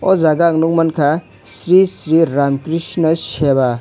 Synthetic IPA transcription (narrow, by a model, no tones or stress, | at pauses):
ɔzaɡaŋnuŋmʌnkʰa | sɾisɾiɾamkɾisnʌseba